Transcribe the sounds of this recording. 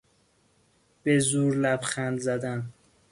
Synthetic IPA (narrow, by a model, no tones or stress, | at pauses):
b̥ezuːɾlæbxænd̪zæd̪æn